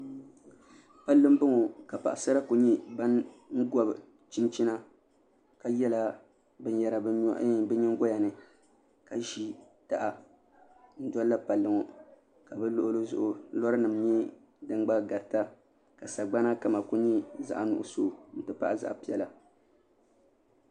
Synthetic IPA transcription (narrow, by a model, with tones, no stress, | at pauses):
pa˦lːɨ˦m˦bɨ˦ŋo˨ka˨pa˨ʔa˨sa˦ɾa˦ko˨ɲɛ˦ba˦n˦ | ŋ̩˦ɡɔ˦bɨ˨ | t͡ʃi˦nt͡ʃi˦na˦ | ka˨jɛ˦la˦ | bɛ˨˦ɲ˦ɛ˨ɾa˨bɨ˦ɲɔ̰˦ʔbɛ˦ɲɛ˦ŋ˦ɡɔ˦ja˨nɨ˨ | ka˨ʒi˦ | ta˨ʔa˨ | n̩˦dɔ˦lla˦pa˨lːɨ˨ŋo˨ | ka˨bɨ˦lʊ˦ʔʊ˦lɨ˦zʊ̰˨ʔʊ˨lɔ˦ɾɨ˦nɨ˨mɲɛ˦ | dɨ˦ŋ˦ɡ͡ba˦ɡa˨ta˦ | ka˨sa˨ɡ͡ba˦na˦ka˨ma˨ko˦ɲɛ˦za̰˨ʔa˨nʊ̰˨ʔʊ˨soː˦˨n̩˨tɨ˨pa̰˦ʔa˦za̰˨ʔa˨pi˦ɛ˨la˨